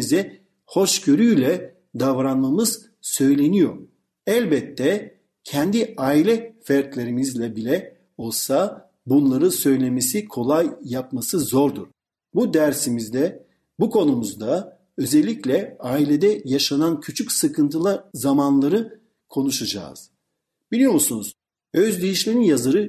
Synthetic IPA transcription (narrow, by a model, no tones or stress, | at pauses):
izɛ | ho̞ʃɟø̞ɾyjlʲɛ | d̪avɾanmamɯz̥ | sø̞jlʲe̞nijo̞̰ɾ | ælʲbɛt̪ʰːɛ | cʰɛnd̪iaːilʲɛfæɾt̪lʲeɾimizlʲɛbilʲɛ | o̞lˠsa | bunlˠaɾɯsø̞jlʲe̞mesikʰo̞lˠajːap̚masɯzo̞ɾd̪uɾ̥ | bud̪æɾsimizd̪ɛ | bukʰo̞numuzd̪a | ø̞zɛlʲːiclʲɛaːilʲed̪ɛjaʃanancʰyt͡ʃʰycsɯkʰɯnt̪ʰɯlˠaɾzamanlˠaɾɯ | kʰo̞nuʃad͡ʒa̰ːz̥ | b̥ilʲijo̞musunuz̥ | øzd̪ejiʃlʲeninjazɯɾɯ